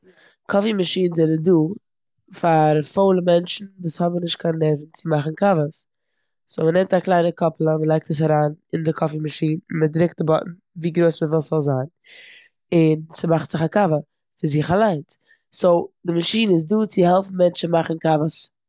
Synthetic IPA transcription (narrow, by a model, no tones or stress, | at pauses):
kʰɔfimaʃiːnzɛnəduː | faɾfoʊlˠəmɛnt͡ʃn̩vuːshɔbənɪʃt̚kʰanlɛvn̩t͡sɪmaχn̩kavəs | soʊmənɛmtaklˠaɪnəkʰɔplˠəməlˠaɪk̚təs̬aɾaːnɪndɪkʰɔfimaʃiːnmədɾɪk̚t̚dɪbɔʔn̩ | viːɡɾoɪsməvɪlˠszɔlˠzaːn | ɪnsəmaχtz̥ɪχakavə | fɪɾzɪχalˠaɪn | sodɪmaʃiːnəɪs̬duːt͡sɪhɛlˠfn̩mɛnt͡ʃn̩maχn̩kavəs